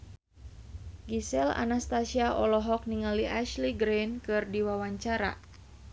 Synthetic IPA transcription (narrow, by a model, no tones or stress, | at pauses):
ɡisɛla̰nast̪asiaʔɔlɔɦɔk̚niŋaliʔaʃliɡɾɛnkɨrdiwawaɲt͡ʃaɾa̰